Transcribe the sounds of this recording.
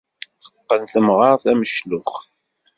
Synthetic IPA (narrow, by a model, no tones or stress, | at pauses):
θə̥qːənθəmʁɑɾθæməʃlʊχ